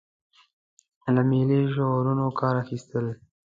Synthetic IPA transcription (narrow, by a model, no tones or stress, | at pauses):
lameleʒowɾunokʰɑːɾaxist̪əl